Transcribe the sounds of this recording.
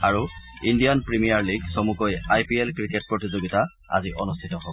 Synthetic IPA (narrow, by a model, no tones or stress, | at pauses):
aɹuindijɔnpɹimijaɹliɡsomukojajpiɛlkɹiket̚pɹotizoɡita | a̰ziʔɔnustʰitɔɦo